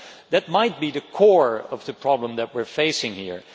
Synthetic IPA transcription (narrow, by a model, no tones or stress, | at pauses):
ðɨt̚maɪt̚b̥iðɨkʰɔɹʌvðɨpʰɹ̥ɑblə̃mðɨt̚wɪɹfeɪsɪ̃ŋhḭɹ